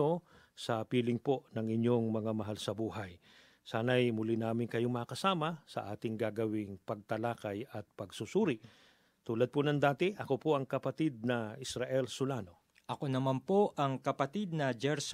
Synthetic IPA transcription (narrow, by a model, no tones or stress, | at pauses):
o | sɐpiːlɪŋpo̞ʔnɐŋɪɲjo̞ŋmɐŋamɐɦalsɐbuːɦaj | saːnɐjmʊlinaːmɪnkɐjoŋmɐakɐsaːmɐsɐ̰ʔaːt̪ɪŋɡaːɡɐwɪŋpɐɡ̚t̪ɐlaːkɐjɐt̪̚pɐɡsusuːɾɪ | t̪uːlɐd̪̚ponɐŋd̪aːt̪ɪʔɐkopoʔɐŋkɐpɐt̪id̪̚nɐɪsɾaʔɛlsʊlaːno̞ | ʔɐkonɐmanpoʔɐŋkɐpɐt̪id̪̚nɐd͡ʒɛɾs